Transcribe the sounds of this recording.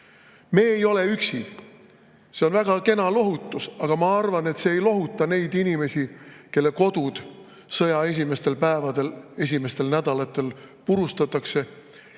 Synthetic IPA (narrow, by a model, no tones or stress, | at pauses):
me̞ːjo̞le̞yksi | se̞o̞nvæɡ̥ɑke̞nɑlo̞ɦut̪ːˑusɑɡ̥ɑmɑɑrvɑne̞t̪se̞ːjlo̞ɦut̪ːˑɑne̞jd̪̥inime̞sʲike̞lːe̞ko̞d̪ud̪̥ | sɤjɑe̞s̬ʲime̞st̪e̞lpæevɑd̪ele̞s̬ʲime̞st̪e̞lnæd̪ɑlɑt̪ːˑe̞lpuɾust̪ɑt̪ːˑɑkse̞